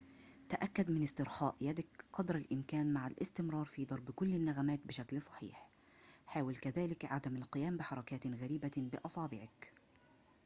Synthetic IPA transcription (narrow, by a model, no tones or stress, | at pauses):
t̪aʔakːad̪mɪnɪst̪ɪɾxɑ̰ːʔjad̪ɪkqɑd̪ɾˤalʔɪmkaːnmaʕalʔɪ̰st̪ɪmɾˤɑːɾˤfiːd̪ˤɑɾˤbkʊlːɪnːaɣamaːt̪̚bɪʃaklsˤɑ̥ħḭːħ | ħaːwɪlkaðaːlɪkʕad̪amalqɪjaːmbɪħɑɾˤɑkaːt̪ɣaɾiːbabɪʔɑsˤɑːbɪʕɪk